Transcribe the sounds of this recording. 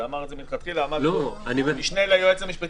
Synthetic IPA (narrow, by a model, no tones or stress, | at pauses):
amaʁezemit̪χat̪χilaːmad̪loanivmiʃnelajuet͡samiʃpe